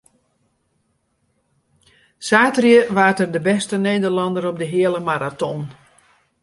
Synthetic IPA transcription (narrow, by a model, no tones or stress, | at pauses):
saːtrjəʋaːrtərdəbɛstənejdərlɑndəɾɔp̚dəɦɪələmaɾatɔn